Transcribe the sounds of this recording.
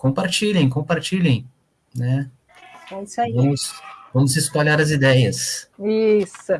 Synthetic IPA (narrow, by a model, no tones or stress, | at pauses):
kõpaɾt͡ʃiʎẽj̃kõpaɾt͡ʃilʲẽj̃ | nɛ | õsaivɐ̃mʊsvɐ̃mʊsɪspalaɾɐzid̪ɛjɐsisʊ